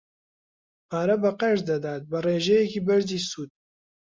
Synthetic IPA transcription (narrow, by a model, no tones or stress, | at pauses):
haːɾɐbɐqɛʒd̪ɐd̪aːt̪̚bɐreːʒɛjɛkiːbɐɾziːsuːd̪̚